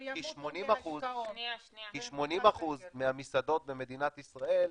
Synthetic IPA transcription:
iʃmonimaχuz | kiʃmo̞nimaχuzmehamisad̪o̞t̪̚be̞me̞d̪inat̪isʁae̞l

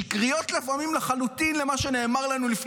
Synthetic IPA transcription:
kʁijo̞tlefamimlaχalutinle̞maʃe̞ne̞ːmaʁlanulifn

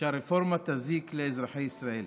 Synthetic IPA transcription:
aɾɪfoɾmat̪aziːkleɪzɾaħejɪsɾaʔiːl

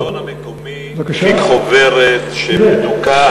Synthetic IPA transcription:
k | m | ikχoveʁet̪ʃenuka

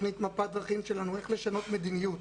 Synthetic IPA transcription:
nit̪mapad̪ʁaχimʃe̞lanue̞χle̞ʃano̞t̪me̞d̪imijut

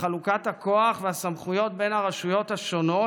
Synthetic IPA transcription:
χalukathako̞aχveasamχujo̞tbe̞naʁaʃujo̞thaʃo̞no̞

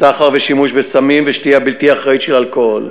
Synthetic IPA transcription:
aχaʁveʃimuʃbesamimveʃtiabilt̪iaχʁait̪ʃelalkol

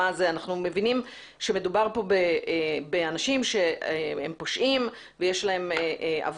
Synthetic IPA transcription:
azeanaχnume̞vinim | ʃemedubaʁpo̞bebeanaʃimʃe̞ehḛmpo̞ʃʔim | vejeʃlae̞meʔa̰v

